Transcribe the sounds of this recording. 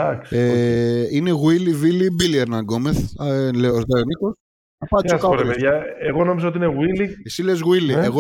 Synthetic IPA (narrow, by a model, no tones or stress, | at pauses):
ɐkseine̞ɣwilivilibilieɾnɐŋɡo̞meθleoozd̪ɐoniko̞s | ɐpɐsoskɐpoepeðʝɐeɣo̞no̞mizɐo̞t̪iineɣwiliesile̞zɣwilieɣo